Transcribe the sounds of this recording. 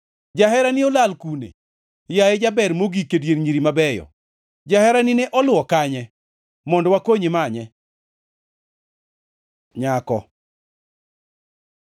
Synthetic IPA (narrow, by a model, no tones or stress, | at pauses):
d͡ʒaɦɛɾanɪolalkunḛ | jajed͡ʒabɛɾmoɡikedjenɲiɾimabɛjɔ̰ | d͡ʒahɛɾanɪnɛʔɔlʊɔkaɲɛ | mɔndɔwakoɲimaɲɛ | ɲakɔ̰